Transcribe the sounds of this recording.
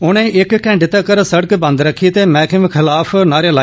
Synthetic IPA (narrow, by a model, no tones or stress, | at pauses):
ʊñẽːʔɪkkːɛ̃ːɳɖɪt̪ekəɾsəɽəkbə̃nd̪ɾəkʰːit̪eːmɛ̃ːkɪmkʰɪlaːpʰnaːɾjeːlaː